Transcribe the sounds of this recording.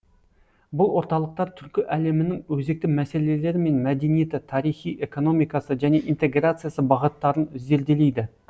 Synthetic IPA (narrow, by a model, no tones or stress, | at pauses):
bʊlˠwo̞ɾt̪ɑlˠəq̚t̪ɑɾt̪ʰʏɾkʲɪʔæle̞mɪnɪŋwɵze̞k̚t̪ɪmæse̞le̞le̞ɾɪme̞nmæd̪e̞nije̞t̪ɪt̪ʰɑɾijχijʔe̞ko̞no̞mijkɑsəʒæne̞ʔint̪e̞ɡrat̪sɨjasəbɑʁət̪ːɑɾənʏzd̪e̞ɾd̪e̞le̞jd̪ɪ